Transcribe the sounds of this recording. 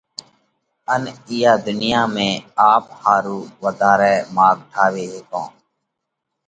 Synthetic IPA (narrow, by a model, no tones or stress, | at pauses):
ənɪjaːd̪ʊnɪjaːmẽːaːphaːɾuːʋəd̪aːɾɛːmaːɡ̚ʈʰaːʋeːɦeːkõː